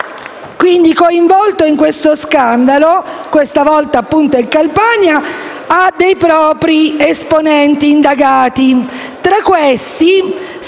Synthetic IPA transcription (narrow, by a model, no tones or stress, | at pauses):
kwind̪ikoiɱvɔlt̪oiŋkwest̪oskand̪alokwest̪avɔlt̪aːpːunt̪oiŋkalpaɲa | ad̪ːejpɾɔːpɾiesponɛnt̪iːnd̪aɡaːt̪i | t̪ɾakwest̪i